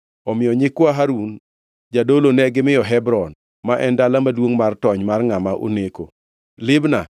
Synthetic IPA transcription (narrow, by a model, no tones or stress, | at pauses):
ɔmɪjɔɲɪkwaɦaɾun | d͡ʒadolonɛɡɪmɪjɔɦɛbɾɔn | maʔɛndalamadwoŋmartɔɲmarŋamaʔo̰neko | lɪbna